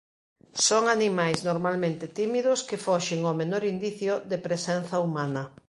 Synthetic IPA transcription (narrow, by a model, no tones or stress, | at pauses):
soŋanimajsnoɾmalmẽnt̪ɪt̪imiðʊskefɔʃɪŋomenɔɾind̪iθjʊðepɾesɛnθɐumanɐ